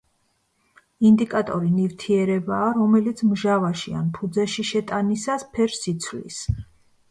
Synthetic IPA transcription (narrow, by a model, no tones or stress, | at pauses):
ind̪ikʼat̪ʼɔɾinivt̪ʰiɛɾɛbaːɾɔmɛlit̪sʰmʒavaʃia̰npʰud̪zɛʃiʃɛt̪ʼanisaspʰɛɾsit̪sʰvlḭs